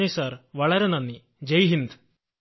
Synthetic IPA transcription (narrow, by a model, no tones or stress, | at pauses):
isɐɾʋɐɭɐɾenɐnːi | d͡ʒɐjɦind̪